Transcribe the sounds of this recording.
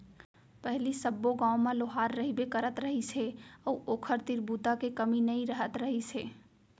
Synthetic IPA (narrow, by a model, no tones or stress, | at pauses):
pəɦlisəbːoɡãːõmãloɦaːɾːəɦibekəɾət̪ɾəɦiseəːʔoːkʰəɾt̪iɾbut̪akekəminəĩɾəɦət̪ɾəɦise